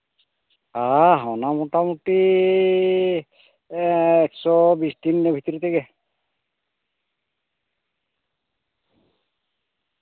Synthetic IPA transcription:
aɦawnamoʈamuti | ɛksɔbisd̪inːebʱit̪ɔɾit̪ʰeɡɛ

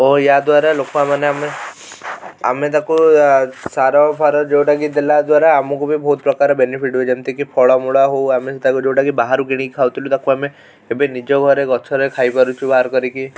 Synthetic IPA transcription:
ojjad̪waɾalokamaneame | a̰met̪aku | saɾɔpʰaɾɔd͡ʒewʈakid̪elad̪waɾaːmɔkubʱibʱɔut̪̚pɾɔkaɾɔbenipʰiʈueemt̪ekipʰɔɭɔmuɭaɦowameset̪ʰakud͡ʒewʈakibaɦaɾuɡiɽ̃ikʰawt̪ʰilut̪akuame | ebenid͡ʒɔɡʱɔɾeɡɔt͡ʃʰɔɾekʰajpaɾut͡ʃʰubaɦaɾkɔɾiki

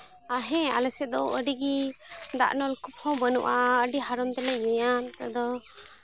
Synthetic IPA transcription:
aɦɛ̃a̰lɛsɛd̪ɔwəɾiɡid̪a̰ʔnɔlkup̚hɔ̃bənṵʔaəɖiɦaɾɔnt̪ɛləɛjant̪ad̪ɔ

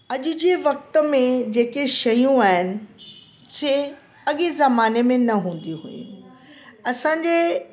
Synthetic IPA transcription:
ɐʄʊd͡ʑeːʋɐk̚t̪ə̆mẽd͡ʑeːkeʃɐjũaːɦɪnɪ̆ | sʰe | ɐɠezɐmaːnemẽnɐɦũːn̆d̪iɦṵḭ̃ | ɐsãːɲd͡ʑeː

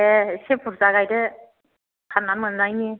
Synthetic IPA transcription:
esepʰuɾzaɡajdɯ | kʰananmɯnnajni

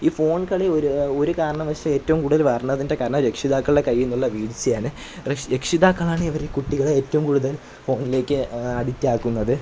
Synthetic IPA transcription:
iːfo̞ːɳkɐɭioɾuo̞ɾukaːɾɐɳɐmʋɐʂjɐme̞ːtːɐʋumkuːɽuðɐlʋɐːrnːɐðinde̞kaːɾɐɳɐmɾekʂiðaːkːɐɭɖekɐjːenːuɭːɐʋiːɽt͡ɕːɨjaːnɨ | ɾekʂiðaːkːɐɭaːɳɨiʋɐɾekuʈːiɣɐɭeeːtːɐʋumkuːɽuðɐl | fo̞ːɳile̞ːkːɨɐɽitːaːkːunːɐðɨ

